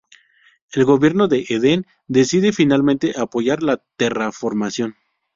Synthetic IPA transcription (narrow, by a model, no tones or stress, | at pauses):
e̞lɣo̞βje̞ɾno̞ðe̞ʔeðe̞n | d̪e̞siðe̞finalmẽnt̪e̞ʔapo̞ʝaɾlat̪erafo̞ɾmasjo̞n